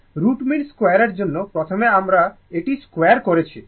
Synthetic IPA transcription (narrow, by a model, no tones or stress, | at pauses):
ɾuʈminskwajaɾeɾd͡ʑonːopɾɔt̪ʰomeamɾa | eʈiskwejaɾkoɾet͡ɕʰi